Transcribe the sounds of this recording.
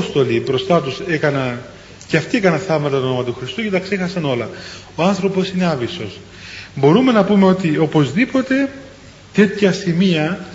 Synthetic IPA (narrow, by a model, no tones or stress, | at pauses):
st̪o̞libɾo̞st̪ɐt̪use̞kɐnɐ | ceɐft̪iekɐnɐθɐmɐt̪ɐomɐt̪uxɾist̪uce̞t̪ɐkse̞xɐsɐno̞lɐ | oɐnθɾo̞po̞sine̞ɐviso̞s | bo̞ɾume̞nɐpume̞o̞t̪io̞po̞zðipo̞t̪e̞ | t̪e̞t̪çɐsimiɐ